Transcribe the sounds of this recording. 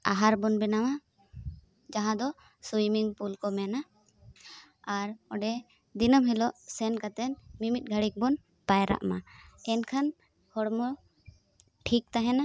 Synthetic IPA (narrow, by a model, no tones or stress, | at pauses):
aɦaɾbɔnbɛnama | d͡ʒaɦãd̪ɔ | sujmiŋpulkɔmɛna | ɾɔɖɛ | d̪inəmɦilɔʔsɛnkat̪ɛnmimit̪̚ˀɡʱəɽik̚bɔn | pajɾa̰ʔma̰ɛnkʰan | hɔɽmɔ | ʈʰik̚t̪aɦɛna